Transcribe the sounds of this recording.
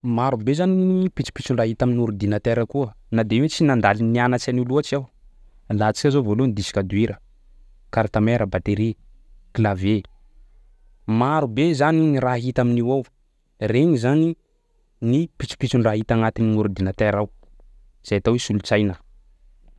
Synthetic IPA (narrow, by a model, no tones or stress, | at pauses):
maɾubezaninpit͡si̥pit͡suɳɖ͡ʐaɦit̪aminuɾud̪inət̪eɾəkuə | nad̪eiwet͡sinand̪alinnianat͡ʃanuluat͡ʃiaw | lat͡si̥kʲazovolunid̪isi̥kʲad̪ueɾə | kaɾt̪ameɾəbat̪eɾi | kilave | maɾubezaniniɾaɦit̪aminiwaw | reɲizani | nipit͡si̥pit͡suɳɖ͡ʐaɦit̪aŋat̪ininuɾud̪inət̪eɾaw | z̥ajat̪awesulut͡sajnə